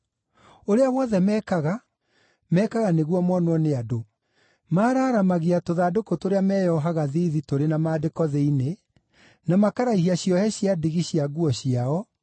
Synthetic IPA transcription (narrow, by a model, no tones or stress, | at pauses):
oɾeawɔðɛmɛːkaɣa | mɛːkaɣaneɣwɔmwɔnwɔneado | maːɾaːɾamaɣiatoðadokotoɾeamɛjɔɦaɣaðiðitoɾenamaːdekɔðeine | namakaɾaiɦiaɕiɔhɛɕiadiɣiɕiaɣuɔɕiaɔ